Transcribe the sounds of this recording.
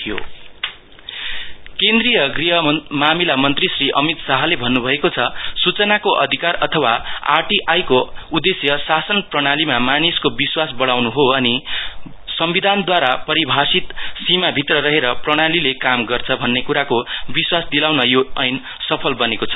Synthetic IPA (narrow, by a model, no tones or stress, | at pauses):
ijo̰ | kẽnd̪rijʌɡriɦʌmamilamʌnt̪risriʔʌmit̪saɦʌlebʱʌnːubʱʌekot͡sʰʌsut͡sʌnakoʔʌ̰d̪ʱikarʌt̪ʰʌwaa̰ʈiʔajkoud̪esjʌsasʌnprʌɽ̃alimamaniskobiswasbʌɽawnuɦoʌni | sʌmbid̪ʱand̪waɾapʌɾibʱasit̪simabʱit̪rʌɾʌɦeɾʌprʌɽ̃alilekamɡʌrt͡sʰʌbʱʌnːekuɾakobiswasd̪ilawnʌjoʌjn | sʌpʰʌlbʌnekot͡sʰʌ̥